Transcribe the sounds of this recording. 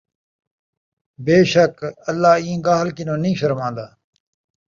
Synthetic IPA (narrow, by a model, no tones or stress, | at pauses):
beːʃəkəlːaːĩːɡaːɦlkinõːnĩːʃɐɾmãːd̪aː